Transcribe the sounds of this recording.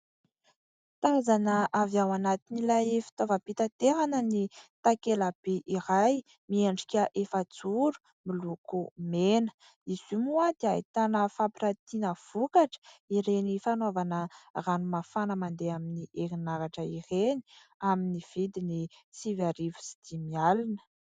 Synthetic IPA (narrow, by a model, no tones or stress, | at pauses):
t̪azanəʔavawanat̪inilajefi̥t̪ovapit̪at̪eɦanənit̪akelab̥eʔiɾaj | miaɳɖ͡ʐikʲəʔefat͡suɾu̥ | milukumenə̥ | iz̥umuad̪iajt̪anəfapiɾat̪inəv̥ukaʈ͡ʂə̥iɾenifanovanəranumafanəmand̪eaminiʔeɾinaɾaʈ͡ʂəireni̥ | aminiv̥id̪init͡sivaɾivu̥si̥d̪̥imialinə̥